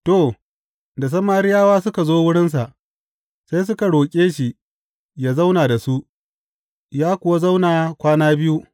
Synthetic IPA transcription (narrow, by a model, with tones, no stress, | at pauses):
toː˦˨ | da˨s̬ɐ˦maː˦ɾɪ˦jaː˦waː˦sʊ˦ka˨zoː˦wʊ˦ɽɪ˦ns̬a˨ʔ | sa˦js̬ʊ˦ka˨ɽoː˨kʲʼeː˦ʃi˨ | jaː˦za˦wnaː˨da˨su˦ʔ | jaː˦kʷʊ˨wa˦za˦wnaː˨kʷaː˦naː˦bɪ˦ju˦